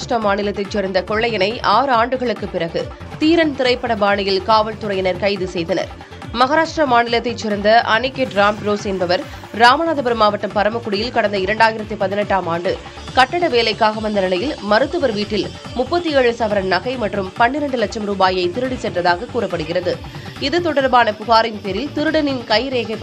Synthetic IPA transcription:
ʂʈrɐmaːnɪlɐt̪ːɐɪt͡ʃːɛɾɐnd̪ɐkɔɭːɐjɐnɐɪʔaːɾɯaːɳɖɯɣɐɭɯkːɯpːɪɾɐɣɯ | t̪iːɾɐnt̪ɪɾɐɪpːɐɽɐbaːɳɪjɪlkaːʋɐɭt̪ʊɾɐjɐnɐɾkɐɪðɯsɛjðɐnɐ̰ɾ | mɐɣaːɾaːʂʈrɐmaːnɪlɐt̪ːɐɪt͡ʃːɪɾɐnd̪ɐʔɐnɪkːeɖɾaːmpɾoːsɛnbɐʋɐɾ | ɾaːmɐnaːðɐbɐɾɯmaːʋɐʈːɯmpɐɾɐmɐkːʊɽɪjɪlkɐɽɐnd̪ɐɪɾɐɳɖaːjɪɾɐt̪ːɯpɐðɪnɛʈːaːmaːɳɖɯ | kɐʈːɐɽɐʋeːlɐɪkːaːɣɐmɐnd̪ɐnɪlɐjɪlmɐɾɯt̪ːɯʋɐɾʋiːʈːɪl | mʊpːɐt̪ːieːɻsɐʋɐɾɐnnɐɣɐɪmɐʈrɯmpɐnːɪɾɐɳɖɯlɐt͡ʃːɐmɾuːbaːjɐɪt̪ɪɾɯɽisɛʈːrɐðaːɣɐkːuːɾɐpːɐɽɯɣɪrɐðɯ | ɪðɯt̪ɔɽɐɾbaːnɐpʊɣaːɾɪnpɛɾɪlt̪ɪɾɯɽɐnɪnkɐɪɾeːɣɐɪpː

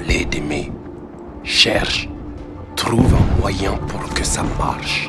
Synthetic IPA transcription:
led̪eme | ʃɛʁʃ | t̪ʁuvɛ̃mwajɛ̃puʁkəsama̰ʁʃ

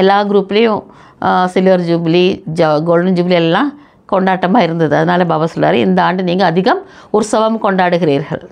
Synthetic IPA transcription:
ɛlːaːɡɪɾuːpːɪlɐjʊ̃ | sɪlʋɐɾd͡ʒuːblid͡ʒɐɡoːɭɖɐnd͡ʒuːbliɛlːãː | kɔɳɖaːʈːɐmaːɪɾɯnd̪ɐðɯɐðɐnaːlɐbɐːʋɐsɔlːa̰ːɾeɪ̰nd̪ɐaːɳɖɯniːŋɡɐɐðɪɣɐm | ʊsɐʋɐmkɔɳɖaːɽɯɣɪɾiːɾɣɐ̰ɭ

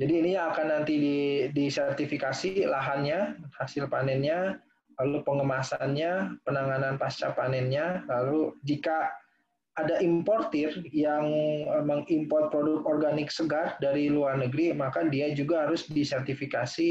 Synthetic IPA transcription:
d͡ʒadiːnijaŋakanːant̪ididisɛrt̪ifikasilaɦanɲahasɪlpanɛnɲa | lalupəŋəmasanɲapənaŋananpast͡ʃapanɛnɲalalud͡ʒikaː | daʔimpɔrt̪ɪrjaŋməŋimpɔrt̪̚pɾodʊkt̪ɔrɡanɪk̚səɡardaɾiluarnəɡɾimakadiad͡ʒuɡaɦaɾʊsdisɛrt̪ifikasi

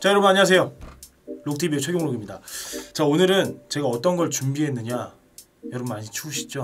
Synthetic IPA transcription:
t͡ɕajʌɾʌbnaɲias̬ʰejo | lok̚tʰibet͡ɕʰwe̞ɡjoŋɾoɡimɲida̰t͡ɕaonɯɾɯnt͡ɕe̞ɡaʌt͈ʌnɡʌɭt͡ɕumbiɦe̞nːɯɲa | jʌɾʌbmaɲit͡ɕʰuɕʰi̥d͡ʑo

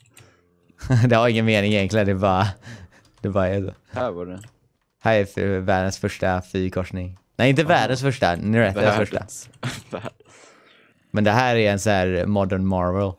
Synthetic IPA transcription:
d̪ɛhaɾɪŋːənmeːnɪŋjɛŋklɪd̪ɛbɑɾa | d̪̥ɛbɑːɾaɛso̰ | hæːɾæfvæːɖənsfœʂʈafyːkʰɔʂnɪŋnɛɪɪnt̪əvæːɖənsfœʂʈa̰nɪɾɛt̪ːsfœʂʈa̰ | mɛnd̪ɛɦæːɾæɾɛnsæːɾmɔd̪əɳmɑɾvəl

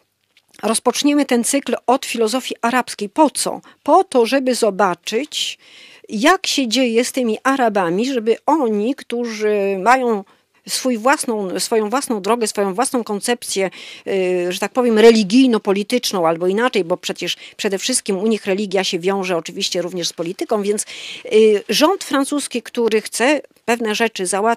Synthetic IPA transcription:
ɾɔspɔt͡ʂɲɛmɘt̪ɛnt̪sɘklɔt̪fʲilɔzɔfʲjiʔaɾapskʲejpɔt̪sɔ̰ | pɔt̪ɔʐɛbɘzɔbat͡ʂɘt͡ɕ | jakɕɛd͡ʑejɛst̪ɘmʲiʔaɾabamʲiʐɛbɘɔɲikt̪uʐɘmajɔ̃w̃ | sfujvwasnɔ̃w̃sfɔjɔ̃w̃vwasnɔ̃w̃d̪ɾɔɡɛsfɔjɔ̃w̃vwasnɔ̃w̃kɔnt̪sɛp̚t̪sʲjɛ | ʐɛt̪ak̚pɔvʲjɛmɾɛlʲiɡʲijnɔpɔlʲit̪ɘt͡ʂnɔ̃w̃albɔinat͡ʂɛjbɔpʂɛt͡ɕɛʂpʂɛd̪ɛfʂɘst̪̚kʲimuɲixɾɛlʲiɡʲjaɕɛvʲjɔ̃w̃ʐɛɔt͡ʂɘvʲiɕt͡ɕɛɾuvɲɛʂspɔlʲit̪ɘkɔ̃w̃vʲjɛnt̪s | ʐɔnt̪fɾansuskʲikt̪uɾɘxt̪sɛpɛvnɛʐɛt͡ʂɘzawa

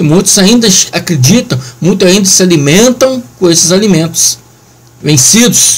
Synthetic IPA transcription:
ɪmũj̃t̪ʊzaĩnd̪ɐakɾed͡ʒit̪ɐ̃w̃mũj̃t̪ʊaĩnd̪ɐsɪalimẽnt̪ɐ̃w̃kõesɪzalimẽnt̪ʊ̥s | vẽsid̪ʊs

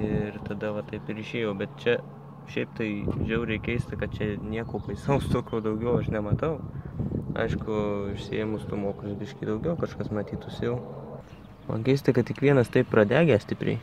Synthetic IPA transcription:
ɪrt̪ɐd̪ɐʋɐt̪ɐɪpɪɾɪʃʲeːjoːbʲɛt̪t͡ʃʲɛ | ʃʲɛɪpt̪ɐɪʒʲɛʊɾʲɛɪkʲɛɪst̪ʲɪkɐt̪̚t͡ʃʲɛnʲiɛkoːpɐɪsɐʊst̪oːkʲoːd̪ɐʊɡʲɛʊɐʃnʲɛmɐt̪ɐʊ | ɐ̰ɪʃkʊɪʃʲsʲɪeːmʊst̪umoːkʲɪbʲɪʃʲkʲid̪ɐʊɡʲɛʊkɐʃkɐsmɐt̪ʲiːt̪ʊsʲɪjɛʊ | mɐ̰nkʲɛɪst̪ʲɐkɐt̪̚kʲɪkʋʲiɛnɐst̪ɐɪppɾɐd̪ʲæːɡʲæsʲtʲɪpʲɾʲɛ̰ɪ

